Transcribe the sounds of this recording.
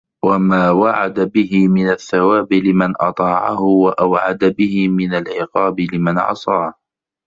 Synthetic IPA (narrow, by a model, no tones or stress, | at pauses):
wamaːwaʕad̪abɪhɪmɪnaθːawaːbɪlɪmanʔɑt̪ˤɑːʕa̰hʊwaʔawʕa̰d̪abɪhɪmɪnalʕɪqɑːbɪlɪmanʕɑ̰sˤɑːh